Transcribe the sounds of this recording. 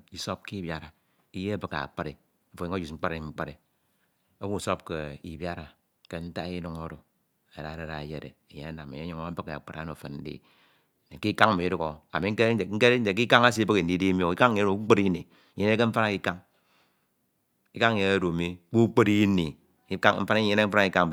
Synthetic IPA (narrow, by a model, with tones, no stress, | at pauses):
i˨so˦p̚ki˦bja˨ɾa˨ | i˦je˦a˦bɨ˨ka̰˨a̰˨k͡pa˦ɾe˨ | fo˨i˦o˦d͡ʒu˨sŋ͡m̩˦k͡pa˦ɾe˨ŋ͡m̩˦k͡pa˦ɾe˨ | o˦wu˦˨so˦p̚ke˨i˨bja˦ɾa˨ | ke˦n̩˦ta˦i˦nu˨˦ŋo˦ɾo˨ | e˨ɾa˨ɾe˦ɾa˨e˨je˦˨ɾḛ˨e˨je˦a˦na˨mḛ˨je˦u˨˦ŋo˦a˦bɨ˦ke˨a̰˨k͡pa˨ɾa̰˨˦no˨fe˨nn̩˦dḭ˦˨ | ne˨ki˦ka˦ŋ̩˨mi˨˦du˦ko˨a̰˨mi˦ŋ̩˦ke˦˨ŋ̩˦ke˦e˨k̬i˦ka˦ŋa˦s̬i˦bɨ˦ki˨n̩˨di˦di˦mjo˦i˦ka˦ŋ˦e˦o˨˦k͡pe˦ɾi˦ni˨˦ | ɲe˦ne˦ke˦ɱ̩˦fa˦na˨ki˦ka˦ŋ | i˦ka˦ŋ˨je˦o˦ɾo˨mi˦k͡pu˦k͡pe˦ɾi˦ni˨˦ | ka˦m̩˦fa˦n˦e˦ne˦m̩˦fa˦na˦ki˦ka˦ŋ˨